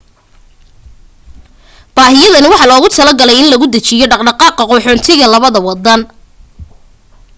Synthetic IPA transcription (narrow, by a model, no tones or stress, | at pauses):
b̥aːɦɪjɐðɐnɪwɑħɑlɔːɣʊt̪ʰɐlɐɡɐlɛjɪnlɐɣʊd̪ɐt͡ʃɪjɔɖɑqɖɑqɑːqɑqɔːħɔːnt̪ʰɪɣɐlɐβɐðɐwɑd̪ɐn